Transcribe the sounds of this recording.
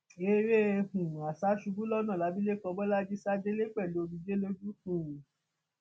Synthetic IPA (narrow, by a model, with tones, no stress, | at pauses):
e˧ɾe˦˧hũ˨a˨sa˨˦ʃu˧bu˦lɔ˦nã˦˨la˨˦bi˦le˦kɔ˧bɔ˦la˦d͡ʒi˦sa˦d͡ʒe˦le˦k͡pɛ˦˨lu˨˦o˧bĩ˧d͡ʒe˦lo˦d͡ʒu˦kũ˦˨